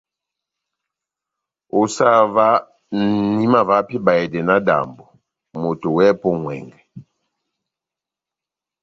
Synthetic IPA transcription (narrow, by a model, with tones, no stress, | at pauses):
o˨sa˦va˦ | n̩˨ni˦ma˦va˨˦pi˦ba˨ɛ˨dɛ˨na˦da̰˨mbɔ˨ | mo˨to˨wɛ˦pɔ˦ŋwɛ̰˨ŋɡɛ˨